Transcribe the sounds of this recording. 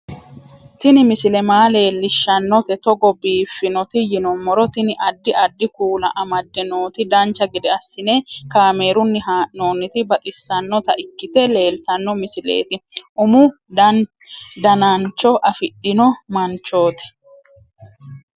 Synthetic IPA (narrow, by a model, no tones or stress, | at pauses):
t̪ɪnɪmɪsɪlɛmaːle̞ːlːɪʃːɐnːɔt̪ɛt̪ɔɡɔbiːfːɪnɔt̪ɪjɪnɔmːɔɾɔt̪ɪnɪʔɐd̪ːɪɐd̪ːɪkuːlɐ̰ʔɐmɐd̪ːɛnoːt̪ɪd̪ɐnt͡ʃːɐɡɪd̪ɛɐsːɪneːkaːme̞ːɾʊnːɪɦaːʔno̞ːnːɪt̪ɪbɐt̪ʼɪsːɐnːɔt̪ɐʔɪkːɪt̪ɛle̞ːlt̪ɐnːɔmɪsɪlḛːt̪ɪʔʊmʊ | d̪ɐnant͡ʃːɔʔɐfɪɗɪnɔmɐnt͡ʃːo̞ːt̪ɪ̥